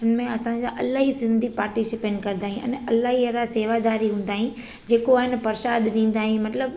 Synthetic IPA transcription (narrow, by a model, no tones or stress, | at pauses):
ɪnmẽɐsãɲd͡ʑãʔɐlaːɦisɪ̃nd̪ʱipaːɾʈisɪpẽɳkɐɾ̃nd̪aːɦĩʔɐ̰̃nɐlaːɦiɐɾaseːʋad̪aːɾiɦũːn̆d̪aːɦĩ | d͡ʑeːkoaːɦɪnpɐɾʃaːd̪ɗĩːn̆d̪aːɦĩmɐt̪ləb